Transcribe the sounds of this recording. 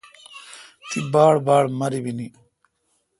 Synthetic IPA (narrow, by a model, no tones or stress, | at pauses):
t̪ibaːɽbaːɽmɐɾibini